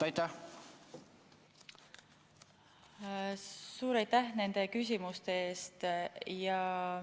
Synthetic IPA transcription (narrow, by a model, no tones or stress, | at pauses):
ɑjt̪ːæh | suːɾɑjt̪ːæhne̞nd̪̥e̞kys̬ʲimust̪ee̞ːst̪jɑ